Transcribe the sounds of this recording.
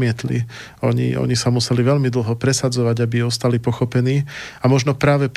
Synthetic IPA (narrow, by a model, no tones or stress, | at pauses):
mɪɛt̪lḭ | ɔɲḭɔ̰ɲisamusɛliʋɛʎmid̪l̩ˠɦɔpɾɛsad͡zɔʋaɟabiɔst̪alipɔxɔpɛniːamɔʒnɔpɾaːʋɛp